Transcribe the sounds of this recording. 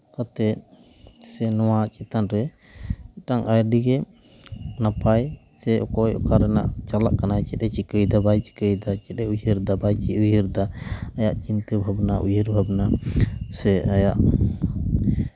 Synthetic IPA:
kat̪ɛt̪̚ | sɛnɔwat͡ʃʼit̪anɾɛ | ʈaŋʔajɾɖiɡɛ | napajsɛʔɔ̰kɔjɔ̰kaɾɛna̰ʔt͡ʃalaʔkanajt͡ʃɛɗɛt͡ʃikəjd̪abajt͡ʃi̥kəjd̪at͡ʃɛɗɛujəɾd̪abajt͡ʃiujəɾd̪aajaʔt͡ʃint̪əbʱabnaʔujəɾbʱabnasɛajaʔ

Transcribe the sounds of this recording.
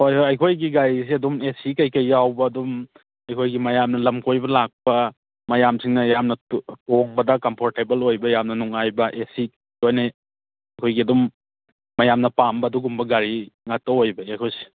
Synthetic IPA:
hojhojɐjkʰojɡiɡajs̬iɐdumesikɐjkɐjːawbɐːdum | ɐjkʰojɡimɐjamnɐlɐmkʰojbɐlak̚pɐ | mɐjamsʰiŋnɐjamnɐtoŋbɐdɐkɐmpʰoɾtebelojbɐjamnɐnuŋajbɐʔesi | ojna | ɐjkʰojɡiɐdumː | ɐjamnɐpambɐːduɡumbɐɡaɾiŋatɐojbɐajkʰojsi̥

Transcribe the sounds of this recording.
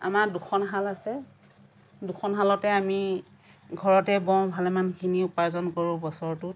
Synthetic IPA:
a̰maɹdukʰɔnɦalasɛ | dukʰɔnɦalɔtɛami | ɡʱɔɹɔtɛbɔ̃ŋbʱalɛmankʰiniʊpaɹzɔnkoɹʊ̃bɔsɔɹtʊt

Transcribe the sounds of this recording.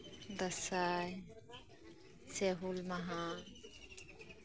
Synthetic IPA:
d̪ɐsaːj | seɦulmɐɦa

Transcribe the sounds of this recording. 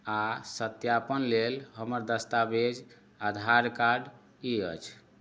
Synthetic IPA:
asət̪japənlelɦəməɾd̪əst̪abed͡ʒ | ad̪ʱaɾkaɖ | iə̰t͡ʃʰ

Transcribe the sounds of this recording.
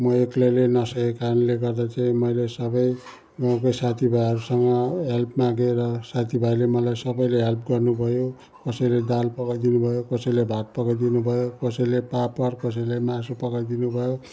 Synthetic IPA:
mʌeklelenʌsʌkekanleɡʌrd̪at͡saĩmʌjlesʌbʌj | ɡaw̃kʌjsat̪ʰibʱajɦʌɾusʌŋɡʌɦelpmaɡeɾʌsat̪ʰibʱajlemʌlajsʌbʌjleɦʌlp̚ɡʌrnubʱʌjo | kʌsʌjled̪alpʌɡʌjd̪inubʱʌjokʌsʌjlebʱat̪̚pʌɡajd̪inubʱʌjokʌsʌjlepapʌrkʌs̬ʌjlemasupʌɡad̪inubʱʌjo

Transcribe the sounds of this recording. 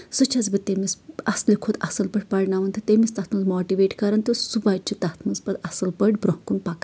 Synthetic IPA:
sut͡ʃʰɐzbɨt̪emisɐslikʰud̪ɐsɐlpɐʈʰʲpɐɽnaːʋɐnt̪ʰɐt̪emist̪ɐt̪ʰmɐzmoːʈiʋeːʈkɐɾɐnt̪isubaːt͡ʃʰit̪ɐt̪ʰmɐnzpɐd̪ɐsɐlpɐʈʲbɾoɦkunpak

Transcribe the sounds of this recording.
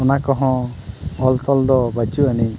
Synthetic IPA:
ɔnakɔɦɔ̃ɔlt̪ɔld̪ɔbat͡ʃuani

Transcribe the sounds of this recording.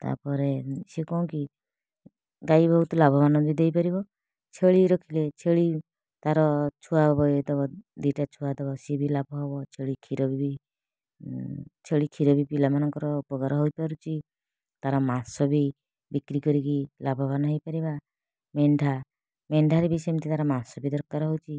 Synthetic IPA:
t̪a̰pɔɾesekɔũki | ɡajbʱɔɦut̪ɔlabʱɔbanɔbʱid̪ejpaɾibɔ | t͡ʃʰeɭiɾɔkʰilet͡ʃʰeɭi | t̪aɾɔt͡ʃʰuabɔjd̪ɔbɔd̪iʈat͡ʃʰuad̪ɔbɔsibʱilabʱɔɦɔbɔt͡ʃʰeɭikʰiɾɔbibi | t͡ʃʰeɭikʰiɾɔbipilamanɔŋkɔɾɔpɔɡaɾɔɦojpaɾut͡ʃʰi | t̪aɾɔmansɔbi | bikɾikɔɾikilabʱɔbanɔɦejpaɾiba | meɳɖʱa | meɳɖʱaɾibisɔjmt̪ʰit̪aɾɔmansɔbid̪ɔɾkaɾɔɦowt͡ʃʰi

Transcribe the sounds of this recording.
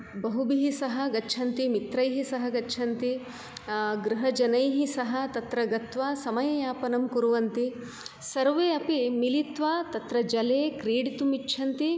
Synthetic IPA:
bɐɦubiɦisɐɦɐɡɐːʃʰɐnt̪imit̪ɾɐjɦisɐɦɐɡɐtːʃʰɐnt̪i | ɡɾuɦɐd͡ʒɐnɐjɦisɐɦɐt̪ɐt̪ɾɐɡɐt̪ʋaːsɐmɐjɐjaːpɐnɐmkuɾuʋɐnt̪i | sɐɾʋeːɐpimilit̪ʋaːt̪ɐt̪ɾɐd͡ʒɐleːkɾeːɽit̪umitːʃʰɐnt̪i

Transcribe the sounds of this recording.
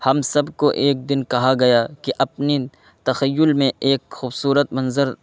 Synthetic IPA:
hɐmsɐbkoʔeːk̚d̪ɪnkɐɦaɡɐjakiʔɐpni | t̪ɐxɐjːʊlmẽeːkxuːbsuːɾət̪mɐ̃nzəɾ

